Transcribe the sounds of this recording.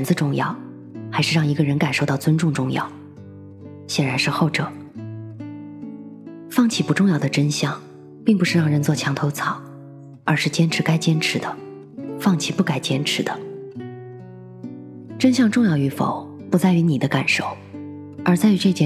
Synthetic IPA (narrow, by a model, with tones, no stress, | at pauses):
nd͡zɹ̩˧ʈ͡ʂʊ˥˧ŋjɑ̰˥˩ʊ | xa˧˥ɪʂɻ̩˥˧ɻɑ˥˩ŋi˧˥ɡə˧ɻə˧˥nka˨˩nʂo˥˧ʊt̪ɑ˥˩ʊt͡swə˥nʈ͡ʂʊ˥˧ŋʈ͡ʂʊ˥˧ŋjɑ̰˥˩ʊ | ɕjɛ˨˩ɻa˧˥nʂɻ̩˥˧xo˥˩ʊʈ͡ʂɤ˨˩˦ | fɑ˥˩ŋt͡ɕʰi˥˩pu˧˥ʈ͡ʂʊ˥˧ŋjɑ˥˩ʊd̪ə˩ʈ͡ʂə˥nɕjɑ˥˩ŋ | pi˥˩ŋpu˧˥ʂɻ̩˥˧ɻɑ˥˩ŋɻə˧˥nt͡swɔ˥˩t͡ɕʰjɑ˧˥ŋt̪ʰo˧˥ʊt͡sʰɑ˨˩˦ʊ | ə˞˧˥ʂɻ̩˥˩t͡ɕjɛ˥nʈ͡ʂʰɻ̩˧˥ka˥ɪt͡ɕjɛ˥nʈ͡ʂʰɻ̩˧˥d̪ə˧ | fɑ˥˩ŋt͡ɕʰi˥˩pu˥˩ka˨˩ɪt͡ɕjɛ˥nʈ͡ʂʰɻ̩˧˥d̪ə˧ | ʈ͡ʂə˥nɕ̬jɑ˥˧ŋʈ͡ʂʊ˥˧ŋjɑ˥˩ʊy˧˥fo̰˨˩˦ʊ | pu˧˥t͡sa˥˩ɪy˧˥ni˨˩d̪ə˦ka˨˩nʂo˥˩ʊ | ə˞˧˥t͡sa˥˧ɪy˧˥ʈ͡ʂɤ˥˧t͡ɕjɛ˥˩